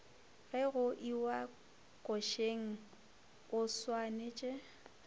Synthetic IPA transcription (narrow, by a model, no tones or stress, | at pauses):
ɣɛɣʊʔiwa | kʼɔʃeŋ̩ | ʊswanet͡ʃʼe